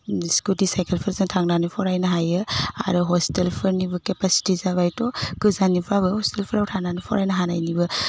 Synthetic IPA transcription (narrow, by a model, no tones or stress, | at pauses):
skudisajkelpʰɯɾzɯŋtʰaŋnanipʰɔɾajnɐɦajɯa̰ɾɔɦɔstelpʰɯɾnibɐkepasi̥tizaβajtɔkɯzanipʰɾabɯhɔstelpʰɯɾawtʰaŋnanipʰɔɾajnɐɦanajnibɐ